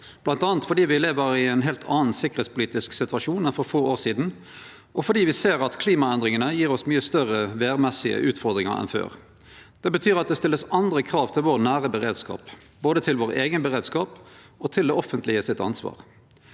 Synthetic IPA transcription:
b̥lɑnt̪ɑːnt̪fɔɖiːʋɪleːʋəɾɪɛɪnɦeːlt̪ʰɑ̰ːn̩sɪkːəʁ̩eːt̪spʰʊliːt̪ɪsksɪt̪ʉɑʂuːnɛnfɔɾfoːoːsiːd̪n̩ | ʔɔfɔɖiːʋɪseːɾɑt̪kʰliːmɑɛnd̪ɾɪŋənəjiːɾɔsmyːəst̪œʁəʋeːʁmɛsɪə̰ʔʉːt̪fɔɾd̪ɾɪŋɑ̰ɾɛ̰nfø̰ːʁ | d̪̥ɛbət̪ʰyːɾɑt̪̚d̪ɛst̪ɪlːəsɑnd̪ɾəkʰɾɑːʋt̪ʰɪlʋoːɾnæːʁəbəɾeːd̪skɑ̰ːp | boːd̪ət̪ʰɪlʋoːɾeːɡənbəʁeːd̪skɑːp | ɔt̪ʰɪld̪ɛɔfənt̪lɪəsɪt̪ɑ̰nsʋɑ̰ːʁ

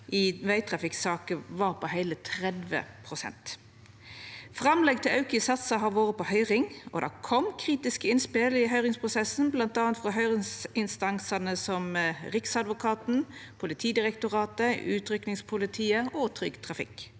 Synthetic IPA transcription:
ʔɪʋæɪt̪ʰʁɑfɪksɑːkəʋɑːʁpʰɔhæɪlət̪ʰʁɛd̪ʋə̰pʰʁʊsɛ̰nt̪ | fʁɑmlɛɡ̚t̪ʰɪlɑʉkəsɑt̪səɦɑːʋoːʁəpʰɔhœʏʁɪŋɔ̰d̪æ̰kʰɔmkʰʁiːt̪ɪskəɪnspɪlɪɦœʏʁɪŋspʰʁʊsɛsn̩blɑnt̪ɑːənt̪fʁɔɦœʏʁɪŋsɪnst̪ɑŋsɑnəsɔmʁɪksɑd̪ʋʊkʰɑːt̪n̩pʰʊlɪt̪ʰiːd̪ɪʁɛkt̪ʊʁɑːt̪əʉ̰ːt̪ʰʁʏknɪŋspʰʊlɪt̪ʰiːəɔt̪ʰʁʏɡt̪ʰʁɑfɪ̰k

